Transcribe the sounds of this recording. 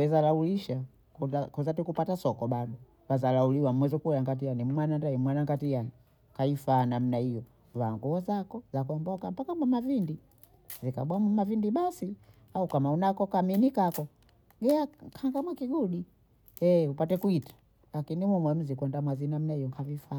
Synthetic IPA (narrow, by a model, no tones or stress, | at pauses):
ɛzalauliʃa | kuzakuzatikupatasɔkɔɓaɗɔ | wazalauliwam̩wɛzɔkuɛjaŋɡat̬ijanimmwanandaimwanaŋɡatijani | kaifaːnam̩naijɔ | vaːŋɡuɔzakɔzakɔmbɔkam̩pakamwamavindi | zika̰ɓwamumavindiɓasi | aukamaunakɔkaminikakɔ | ɡɛakʰaŋɡamwakiɡuɗi | ɛupatɛkuitḁ | lakinimumwɛm̩zikwɛndamwazinam̩naijɔŋkʰavifa